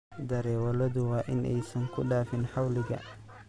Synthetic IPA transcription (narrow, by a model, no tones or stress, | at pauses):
d̪ɐɾɛːwɐlɐðʊwɑːʔɪnʔɛ̰jsɐŋkʰʊɖaːfɪnħɑwlɪɣɐ̰